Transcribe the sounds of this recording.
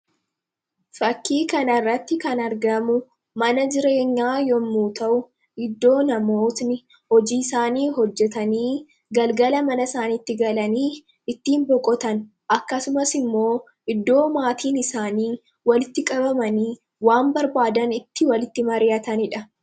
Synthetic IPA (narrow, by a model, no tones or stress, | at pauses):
fɐkːiːkɐnɐrːɐt̪ːɪkɐnɐɾɡɐmʊ | mɐnɐd͡ʒɪɾe̞ːɲːaːjɔmːuːt̪ɐʔʊ | ʔɪd̪ːo̞ːnɐmo̞ːt̪nɪ | hɔd͡ʒiːsaːniːɦɔd͡ʒːɛt̪ɐniː | ɡɐlɡɐlɐmɐnɐsaːniːt̪ːɪɡɐlɐniː | ɪt̪ːiːmbɔkʼɔt̪ɐn | ʔɐkːɐsʊmɐsɪmːo̞ː | ʔɪd̪ːo̞ːmaːt̪ʰiːnɪsaːniː | wɐlɪt̪ːɪkʼɐbɐmɐniː | waːmbɐɾbaːd̪ɐnɪt̪ːɪwɐlɪt̪ːɪmɐɾɪjɐt̪ɐnɪᶑɐ